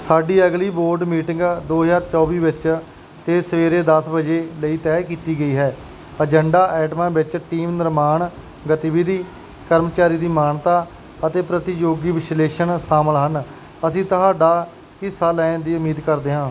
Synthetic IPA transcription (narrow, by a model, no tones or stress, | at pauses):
saːɖiːəɡliːboːɾɖmiːʈɪ̃ŋɡd̪oːɦəzaːɾt͡ʃɔːʋiːʋɪt͡ʃ | t̪eːsəʋeːɾeːd̪əsbəd͡ʒeːləiːt̪ɛːkiːt̪iːɡəiːɦɛː | əd͡ʒəɳɖaːʔɛːʈmãːbɪt͡ʃʈiːmnɪɾmaːɳ | ɡət̪ibid̪iː | kəɾmt͡ʃaːɾiːd̪iːmaːɳt̪aː | ət̪eːpɾət̪ijoːɡiːʋɪsleːʃənsaːməlɦən | əsĩːt̪əɦaːɖaː | ɪsaːlɛ̃ːnd̪iːʊmiːd̪kəɾd̪eːɦãː